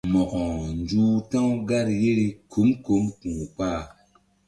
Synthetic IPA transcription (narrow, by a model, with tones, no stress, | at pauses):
mɔ˨ʔɔ˨nd͡ʒuː˦tã˦wɡa˦ɾje˦ɾi˦kʰu˨˦mko˨˦mkũ˨k͡pa˦˨